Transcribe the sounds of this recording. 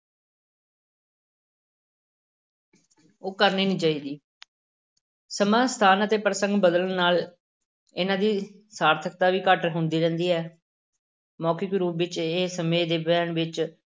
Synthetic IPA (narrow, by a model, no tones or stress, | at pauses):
oːkəɾniːnĩːt͡ʃaːiːd̪iː | səmãːst̪ʰaːnət̪eːpɾəsə̃ŋɡbəd̪əlnnaːl | ɪnãːd̪iː | saːɾt̪ʰək̚t̪aːʋiːkəʈɦʊnd̪iːɾɛ̃ːnd̪iːɛː | mɔːkɪkɾuːpʋɪt͡ʃeːsəmẽːd̪eːbɛːnʋɪt͡ʃ